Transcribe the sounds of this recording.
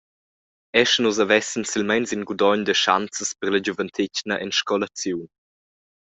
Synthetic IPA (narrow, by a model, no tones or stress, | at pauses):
ɛʃnuzavɛsənsilmɛnsinɡud̪ɔɲd̪əʃa̰nt͡səspərlad͡ʑuvənt̪ʰɪcnəʔɛnʃkɔlat͡sjun